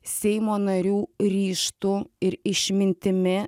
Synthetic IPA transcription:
ssʲɛɪmoːnɐɾʲuːɾʲiːʃt̪ʊɪɾɪʃʲmʲɪnʲt̪ʲɪmʲɪ

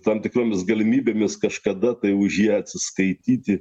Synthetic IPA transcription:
t̪ɐmt̪ʲɪkɾoːmʲɪsɡɐlʲɪmʲiːbʲeːmʲɪskɐʃkɐd̪ɐt̪ɐɪʊʒʲjiɛɐt̪ʲsʲɪskɐɪt̪ʲiːt̪ʲɪ

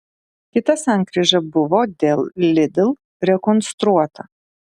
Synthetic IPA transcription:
kʲɪt̪ɐsæˑŋkɾʲɪʒɐbʊʋoːd̪ʲeːlˠlʲɪd̪ʲɪlˠ | ɾʲɛkɔnst̪ɾuɔt̪ɐ

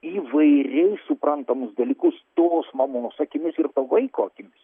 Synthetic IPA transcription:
iːʋɐɪɾʲɛɪsʊpɾɐnt̪ɐmʊsd̪ɐlʲiːkʊst̪oːsmɐmoːnoːsɐkʲɪmʲɪsɪɾt̪ɐʋɐɪkoːɐkʲɪmʲɪs

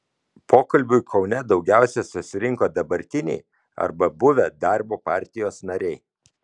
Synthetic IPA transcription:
pʰoːkɐlʲbʲʊɪkʰɒʊnʲɛd̪ɒʊɡʲæˑʊsʲɛsʊsʲɪɾʲɪŋkoːd̪ɐbɐɾʲt̪ʲɪnʲɛ̰ɪ | ɐ̰ɾbɐbʊʋʲɛd̪ɑˑɾboːpɑːˑɾʲt̪ʲɪjoːsnɐɾʲɛɪ

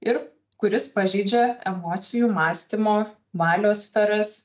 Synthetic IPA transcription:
ɪɾ | kʊɾʲɪspɐʒʲɛɪd͡ʒʲɛɛmɔːt̪sʲɪjuːmɑːsʲt̪ʲɪmoː | ʋɑːlʲoːsʲfʲɛɾɐs

